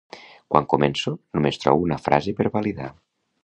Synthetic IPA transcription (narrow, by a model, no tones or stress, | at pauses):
kwa̰ŋkomensonomest̪ɾɔ̰βunafɾʔa̰zepeɾβaliða̰